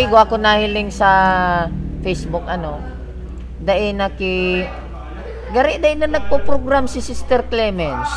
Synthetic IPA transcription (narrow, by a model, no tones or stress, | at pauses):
iɡoʔɐkonahɪlɪŋsɐ | fɛjsbʊkɐno̞ | d̪ɐʔɛnɐkɪ | ɡɐɾɪʔd̪aʔɪnɐnɐɡ̚popɾoɡɾamsɪsɪst̪ɛɾklɛmɛns